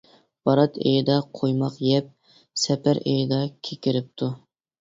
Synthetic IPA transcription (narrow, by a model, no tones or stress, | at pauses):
b̥ɑɾɑt̪ʰḛjd̪ɑqʰojmɑqjɛp̚ | sɛpæɾejd̪ɑkʲʰekʲiɾɪp̚t̪ʰu